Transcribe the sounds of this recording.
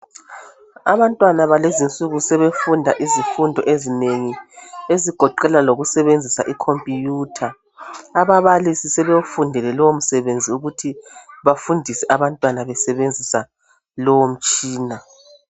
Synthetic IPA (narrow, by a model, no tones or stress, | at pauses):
aβantʼwanaβalezint͡sʼuɣusɛβefundʱaʔizifundʱɔʔezineŋieziɡ̥ʱɔǃɛlaloɣusɛβend͡zʱisa̰ʔikʰompʼijuːtʰaː | βaβalisisɛβewufundʱɛlɛlɔwom̩sɛβend͡zʱiuɣutʰiβafundʱisɛʔaβantʼwanaβɛsɛβend͡zʱisa | lɔwom̩t͡ʃʼiːna